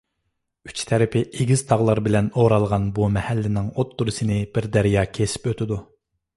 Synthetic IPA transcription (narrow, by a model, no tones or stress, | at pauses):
y̥t͡ʃt̪ʰɛɾɪpʰɪeɡʲiz̥t̪ʰɑʁlˠɑɾbɪlɛnoɾɑlˠʁɑnbumɛhælːɪnɪŋot̪ːuɾɨsɨnɪbɪɾd̪æɾijɑːkʲʰesɪ̥pøt̪ʰɪd̪u